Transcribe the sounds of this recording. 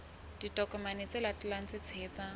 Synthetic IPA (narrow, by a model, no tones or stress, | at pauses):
d̥itʼɔkʼɔmanɪt͡sʼɪlatʼlaŋ̩t͡sɪt͡sʰeːt͡sa